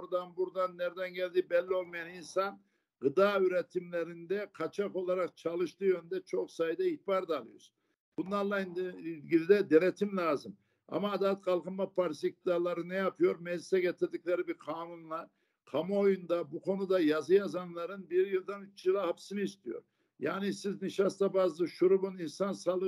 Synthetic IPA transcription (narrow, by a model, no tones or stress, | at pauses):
ɾd̪anbuɾd̪anːɛɾd̪ɛnɟɛlʲd̪ibɛlʲːio̞lˠmajaninsan | ɡɯd̪aːyɾɛt̪ʰimlʲeɾind̪ɛqʰat͡ʃʰaqo̞lˠaɾaq̚t͡ʃʰalˠɯʃt̪ɯːjønynd̪ɛt͡ʃʰo̞qsajd̪aiht̪baɾd̪alˠɯjo̰ɾ | bunlˠaɾlˠaind̪ɡilʲid̪ɛd̪eɾɛt̪ʰimlʲaːzɯm | a̰maːd̪at̪kʰalˠqɯnmapʰaɾsik̚ɯd̪aːlˠaɾɯnɛjapʰɯjoɾmɛd͡ʒlʲisɛɡet̪ʰiɾd̪icʲlʲeɾibiɾqʰaːnunlˠaɾ | kʰamaojund̪abukʰo̞nud̪ajazɯjazanlˠaɾɯnbiɾjɯlˠd̪anyt͡ʃjɯlˠahapsinɯist̪ʰijo̰ɾ | jaːnisizniʃast̪abazlˠɯʃuɾubuninsansalˠɯ